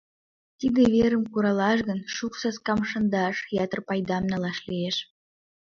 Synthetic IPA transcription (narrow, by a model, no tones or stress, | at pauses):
t̪id̪eβʲeɾə̆mkuɾɑlɑʃ̬ɣə̆nʃuksɑskɑmʃɤ̆nd̪ɑʃjɑt̪ə̆rpɑjd̪ɑmnɑlˠɑʃlieʃ